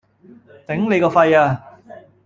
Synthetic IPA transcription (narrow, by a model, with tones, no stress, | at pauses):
t̪ɪ˨˥ŋne˨˧jkɔː˧fɐ˧jaː˧